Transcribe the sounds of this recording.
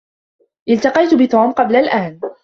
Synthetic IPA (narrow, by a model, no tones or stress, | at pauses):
ʔɪlt̪ɑqɑjt̪bɪt̪oːmqɑblalʔaːn